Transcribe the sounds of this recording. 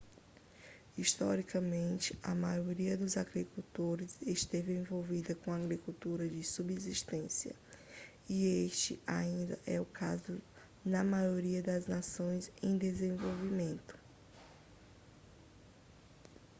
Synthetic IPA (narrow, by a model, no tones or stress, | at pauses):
iʃt̪ɔɾikɐmẽnt͡ʃɪɐ̰majoɾiɐd̪ʊzaɡɾikut̪oɾɪzeʃt̪evɪẽvowvid̪ɐkõaɡɾikuwt̪uɾɐd͡ʒɪsubeziʃt̪ẽsiɐ̰ | ieʃt͡ʃɪa̰ĩnd̪ɐʔɛʊkʰazʊ | nɐmajoɾiɐd̪ɐznasõj̃zẽj̃d̪ezẽvowvimẽnt̪ʊ̥